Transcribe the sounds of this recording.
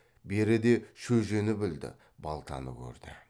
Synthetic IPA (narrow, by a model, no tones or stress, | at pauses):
be̞ɾɪd̪e̞ʃɵʒenɪbɪld̪ɪ̰ | bɑlˠt̪ʰɑ̰nəkʲʰɵ̰ɾd̪ɪ